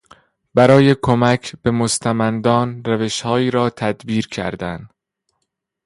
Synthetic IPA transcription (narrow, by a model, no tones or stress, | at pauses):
bæɾɒːjekʰomæcʰb̥e̞most̪ʰæmænd̪ɒːnræve̞ʃhɒːiːɾɒːt̪ʰæd̪biːɾcʰæ̰ɾd̪ænd̪̥